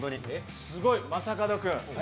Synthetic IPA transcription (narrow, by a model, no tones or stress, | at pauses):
ɡonẽ | sɨɡo̞imasakad̪okɯ̟̃ɴ